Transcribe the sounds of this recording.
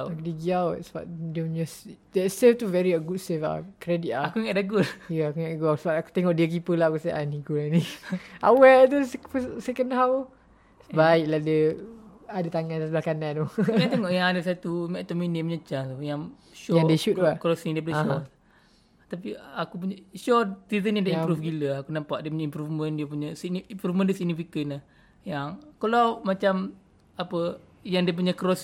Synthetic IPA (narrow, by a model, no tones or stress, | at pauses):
kudiɡiawsəba̰ʔ̚diəmasdɛtseft̪uvɛɾiəɡut̚sefa̰kɾɛdiʔaakuŋadaɡuljəakuŋaʔdɡuasəbaʔaku̥t̪ɛŋɔʔdiək̬ipəlahakusaʔanikulania̰wɛt̪̬uspəsɛkənɦaw | sbaiʔlahdə | adət̪aŋãndasəblahkanãdɔat̪eŋɔʔjãŋadəsat̪umɛʔt̪ominimɲət͡ʃaŋt̪ujaŋ | ʃoadiəʃut̪̚aʔkɾosiŋdiəp̬unəʃɔ | t̪apiakup̬uɲaʃɔt̪izənjaŋdaʔimpɾufɡiləakunampaʔdiəpuɲaimpɾufməndiəpuɲəsiɡ̚nmpɾufməndiəsiɡ̚nifikənah | jaŋkəlawmat͡ʃam | apə | jaŋdiəp̬uɲakɾos